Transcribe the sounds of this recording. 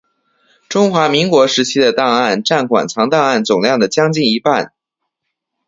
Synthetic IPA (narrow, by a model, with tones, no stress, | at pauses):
ʈ͡ʂʊ˥ŋxwa˧˥mi˧˥ŋkwɔ˧˥ʂɻ̩˧˥t͡ɕʰi˥d̪ə˨t̪ɑ˥˧ŋa˥˩nʈ͡ʂa˥˩nkʰwa̰˨˩nt͡sʰɑ˧˥ŋt̪ɑ˥˧ŋa˥˩nt͡sʊ˨˩ŋljɑ˥˩ŋd̪ə˩t͡ɕjɑ˥ŋt͡ɕi˥˩ŋi˧˥pa˥˩n